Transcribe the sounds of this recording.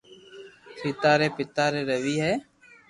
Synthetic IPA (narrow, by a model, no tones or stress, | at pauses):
siːt̪aːɾeːpɪt̪aːɾeːɾəʋiːɦɛː